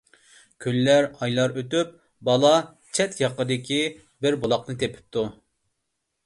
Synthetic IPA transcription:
kʲʰølːæɾɑjlˠɑɾøt̪yp̚ | bɑlˠɑ | t͡ʃʰɛt̪jɑqəd̪ɪkʲi | bɪɾbolˠɑqnɨt̪ʰepʰɪ̥p̚t̪u

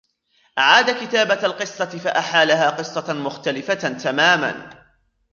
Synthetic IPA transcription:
ʔaʕaːd̪akɪt̪aːbaalqɨsˤːɑɪfaʔaħaːlaɦaːqɨsˤːɑmʊxt̪alɪfat̪amaːma̰n

